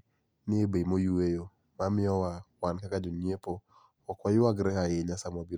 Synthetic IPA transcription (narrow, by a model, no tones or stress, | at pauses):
nɪebemojuwejo | mamɪɔwawankakad͡ʒɔɲepoː | kwajʊwaɡɾɛkaeɲasamwabi